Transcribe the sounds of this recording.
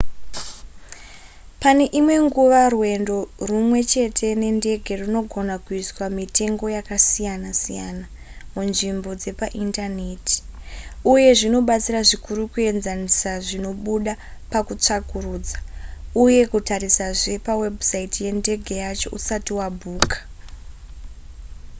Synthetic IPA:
pane̞ʔimwe̞ŋɡuʋarwe̞ndo̞rumwe̞t͡ʃe̞tʰe̞ne̞nde̞ɡʱe̞runo̞ɡʱo̞nakuiswamite̞ŋɡo̞jakasijanasijana | munʐimbo̞d͡ze̞paʔintane̞ti̥uje̞ʐino̞ɓat͡siraʐikʰuɾukue̞nzanisaʐino̞ɓuɗapakut͡ʂakuɾuːd͡zauje̞kutaɾisaʐe̞pawe̞busaitije̞nde̞ɡʱe̞jat͡ʃo̞ʔusatiwabʱuːkḁ

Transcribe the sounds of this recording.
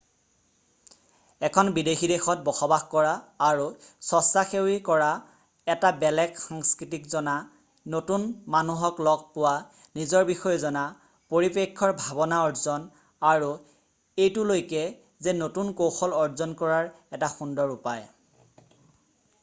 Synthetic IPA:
ɛkʰɔnbidexidexɔt̚bɔxɔbaxkɔɹaːɹusɔsaxewikɔɹa | ɛtabɛlɛkxaŋskɹitikzɔna | notunmanuɦɔklɔɡ̚pʊwa | nizɔɹbixɔjɔzɔna | poɹipekʰːɔɹbʱabɔnaɔɹzɔn | aɹu | ejtʊlojkɛ | zɛnotunkowxɔlɔɹzɔnkɔɹaɹ | ɛtaxundɔɹupaj

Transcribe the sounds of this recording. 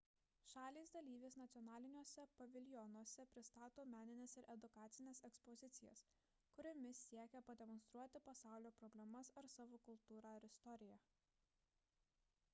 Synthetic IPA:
ʃɑːlʲiːsd̪ɐlʲiːʋʲeːsnɐt̪sʲɔnɑːlʲɪnʲuɔsʲɛpɐʋʲɪlʲjɔnuɔsʲɛpʲɾʲɪst̪ɑːt̪oːmʲæːnʲɪnʲesɪɾʔɛd̪ʊkɑːt̪sʲɪnʲeːsɛkspɔzʲɪt̪sʲɪjɛ̰s | kʊɾʲomʲɪsʲiɛkʲɛpɐd̪ʲɛmɔnst̪ɾuɔt̪ʲɪpɐsɑˑʊlʲoːpɾɔbʲlʲɛmɐsɐɾsɑːʋoːkʊlˠt̪uːɾɑːɪɾɪst̪ɔɾʲɪjæ

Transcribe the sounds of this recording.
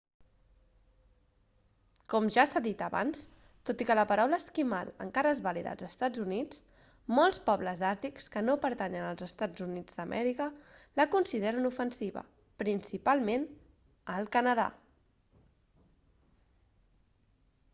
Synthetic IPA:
kɔmʒasaðit̪əβa̰ns | t̪ot̪ikələpəɾawləskima̰lə̰ŋkaɾəezβaliðə̰lˠzəst̪ad͡zunit͡s | molˠspɔβləzaɾt̪ikskənopəɾt̪aɲənəlˠzəst̪ad͡zunid͡zd̪əmʔɛ̰ɾikələkunsiðeɾənufənsiβə̰ | pɾinsipalˠmen | əlˠkənəða̰

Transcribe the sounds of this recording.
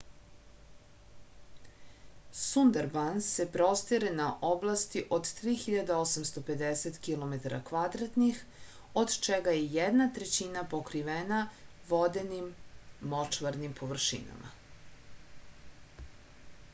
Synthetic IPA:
sund̪aɾbansse̞pɾost̪iɾenaʔoblˠast̪iʔo̞d̪t̪ɾiːxiʎad̪aosamst̪o̞pe̞d̪eset̪kilˠo̞met̪aɾakʋad̪ɾat̪nix | o̞d̪t͡ʃeɡajejed̪nat̪ɾet͡ɕinapo̞kɾiʋena | ʋo̞d̪e̞nimːot͡ʃʋaɾnimpʰo̞ʋr̩ʃḭna̰ma̰

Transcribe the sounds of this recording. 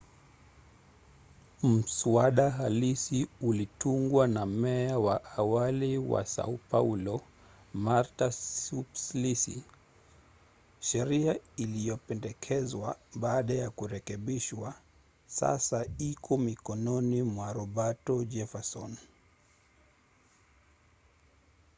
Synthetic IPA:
m̩suaɗaɦalisiulituŋɡwanamɛawaʔawaliwa̰sa̰upaulɔ | maɾtaupslisḭ | ʃɛɾiailijɔpɛndɛkʰɛzwaɓaːɗajakuɾɛkɛɓiʃwa | sa̰saikʰɔmikɔnɔnimwaɾɔɓatɔd͡ʒɛfɛsɔn

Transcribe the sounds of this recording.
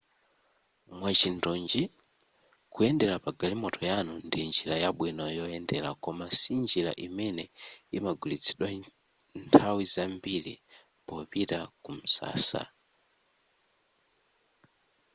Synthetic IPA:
mwat͡ʃindɔnd͡ʒi | kujɛndɛɾapaɡalimɔtʰɔjanundind͡ʒiɾajaɓwinɔjɔjɛndɛɾa̰kɔmasind͡ʒiɾa̰ʔimɛnɛimaɡulit͡sʰi̥ɗwa | ntʰawizambiɾi | pɔpiɾakum̩sa̰ːsa̰

